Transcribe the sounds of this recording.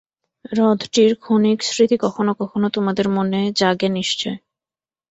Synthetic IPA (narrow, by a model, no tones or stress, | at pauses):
ɾɔd̪ʱʈiɾkʰoniksɾit̪ikɔkʰonokɔkʰonot̪omad̪eɾmoned͡ʑaɡeniʃt͡ɕoe